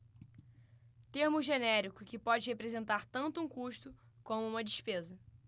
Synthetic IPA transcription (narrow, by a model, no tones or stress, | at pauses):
t̪eɾmʊʒenɛɾikʊkɪpɔd͡ʒɪhepɾezẽnt̪aɾt̪ɐ̃nt̪ʊũkuʃt̪ʊ | kõmʊũmɐd͡ʒɪʃpezɐ